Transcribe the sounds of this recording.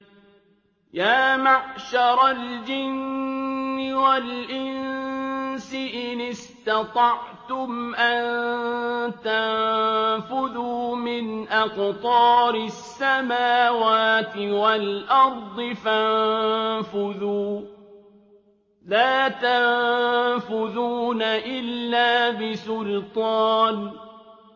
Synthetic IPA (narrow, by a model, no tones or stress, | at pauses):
jaːmaʕʃɑɾˤɑld͡ʒɪnː | ɪwalʔɪn | sɪʔɪnɪst̪ɑt̪ˤɑʕt̪ʊmʔan | t̪annfʊðuːmɪnʔɑqt̪ˤɑːɾɪsːamaːwaːt̪ɪwalʔɑɾˤd̪ˤɨfanfʊðuː | laːt̪an | fʊðuːnaʔɪlːaːbɪsʊlt̪ˤɑːn